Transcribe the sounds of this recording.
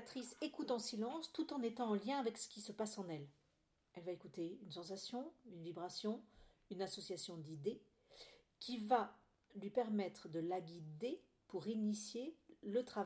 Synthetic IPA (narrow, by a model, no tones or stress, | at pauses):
t̪χisekut̪ɑ̃silɑ̃st̪ut̪ɑ̃net̪ɑ̃ɑ̃ljɛ̃avɛksə̥kʲisəpasɑ̃nɛl | ɛlvaekut̪eynsɑ̃sasjɔ̃ynvibʁasjɔ̃ | ynasɔsjasjɔ̃d̪id̪e | kʲiva | lɥipɛʁmɛt̪χəd̪əlaɡʲid̪e | puʁinisjelət̪χav